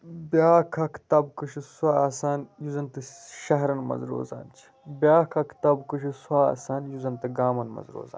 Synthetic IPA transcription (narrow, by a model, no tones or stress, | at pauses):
bʲaːkʰɐkʰt̪ɐb̚kɨʃisuaːaːsaːnjuzɐnt̪ɐʃɐɦɾɐnmɐ̰zɾo̰ːza̰ːnt͡ʃʰi̥ | bʲaːkʰɐkʰt̪ɐbkɨʃisuaːa̰ːsaːnjuzɐnt̪ɐɡaːmɐnmɐ̰zɾo̰ːza̰ːn